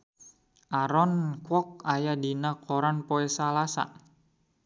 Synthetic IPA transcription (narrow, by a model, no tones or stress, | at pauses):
ʔaɾɔnkwɔk̚ajadinakʰɔɾanpɔɛsalasa̰